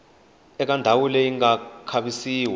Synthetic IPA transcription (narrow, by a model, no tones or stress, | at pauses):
ɛk̬andʱawulɛiŋɡakʰaɓisiːwɛ